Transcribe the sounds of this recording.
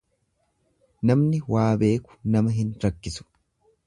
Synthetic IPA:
nɐmnɪwaːbe̞ːkʊ̥nɐmɐɦɪnɾɐkːɪsʊ̥

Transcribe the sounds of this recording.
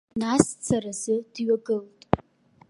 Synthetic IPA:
nast͡sʰarazɨd̥ɥaɡɨltʼ

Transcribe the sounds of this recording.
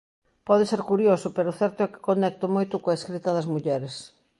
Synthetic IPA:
pɔðɪseɾkuɾjosʊpeɾʊθɛɾt̪ʊɛkɪ̥konɛk̚t̪ʊmojt̪ʊkoɐeskɾit̪ɐðɐzmuʎɛɾes

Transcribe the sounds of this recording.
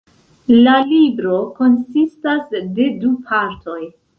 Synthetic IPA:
lalibɾo̞ko̞nsistasde̞dupʰaɾtʰo̞j

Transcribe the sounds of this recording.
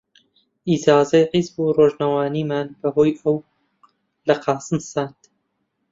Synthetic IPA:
ʔizaːzɐjqizbuːroʒnawaːniːmaːnbɐɦoːjɐw | lɐqʰɑːsɨmsaːnd̪̥

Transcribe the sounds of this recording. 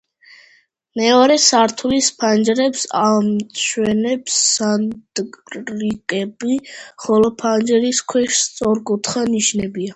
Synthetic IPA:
mɛɔɾɛsaɾt̪ʰulispʰand͡ʒɾɛpsamt͡ʃʰwɛnɛpsad̪ɾikʼɛbiχɔlɔpʰand͡ʒɾiskʰwɛʃst̪sʼɔɾkʼut̪ʰχaniʃnɛbia

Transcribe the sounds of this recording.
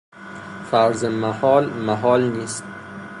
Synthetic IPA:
fæɾzemæhɒːlmæɦɒːlniːst̪̚

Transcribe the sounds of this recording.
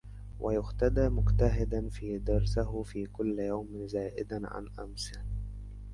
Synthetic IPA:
wʔajʊxt̪ad̪aːmʊqt̪aɦɪd̪anfiːd̪ɑɾˤsɪɦʊfiːkʊlːjawmɪzaːʔɪd̪anʕa̰nʔa̰msɪ

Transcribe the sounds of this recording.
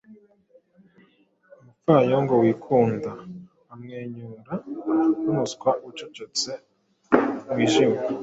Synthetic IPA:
umufajoŋɡowiːkʰuːndaː | mŋeːɲuːnɾanunuskwaʔut͡ʃot͡ʃot͡se | wiːʒime

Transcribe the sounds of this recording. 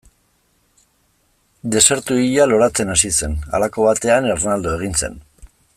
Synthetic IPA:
d̪e̞se̞ɾt̪uiʎalo̞ɾat͡se̞nasise̞na̰lako̞βat̪e̞aneɾnald̪oe̞ɣ̞inse̞̰n

